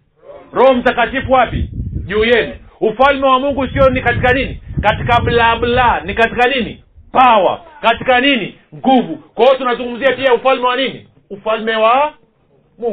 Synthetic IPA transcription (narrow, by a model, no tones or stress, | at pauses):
ɾɔhɔm̩takatifuwapḭʄuːjɛniufalmɛwamuŋɡusiɔnikatikaninikatikaɓlaɓlanikatikanini | pawa̰katikanini | ŋɡuvukwɔɔtunazuŋɡum̩ziapiaufalmɛwaninḭ | ufalmɛwa | muŋɡ